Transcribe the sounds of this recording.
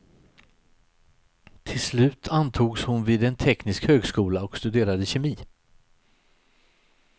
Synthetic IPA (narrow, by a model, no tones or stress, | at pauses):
t̪ʰɪlslʉ̟ːt̪ʰant̪ʰuːɡshʊnviːd̪ɛnt̪ʰɛknɪskhøːɡskuːlaɔkst̪ɵd̪eːɾad̪əɕɛmiː